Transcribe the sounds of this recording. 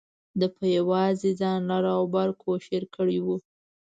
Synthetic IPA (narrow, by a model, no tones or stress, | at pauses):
d̪əpəjawɑzed͡zɑnlɑɾaawbaɾkʰoʃeɾkəɽiwu